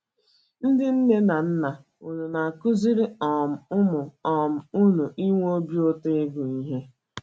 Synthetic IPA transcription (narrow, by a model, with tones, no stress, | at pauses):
n̩˦dɪ˦n̩˦ne˦na˨n̩˦na˨ | u˨ɲu˨na˨kʊ˦zi˦ɾɪ˦ɔ˨m̩˨ʊ˦mʊ˨ɔ˨m̩˨u˦nu˨ʔi˦ŋʷ˦o˦bi˦o˦te˦ɪ˦ɡʊ˨i˦ɦe˦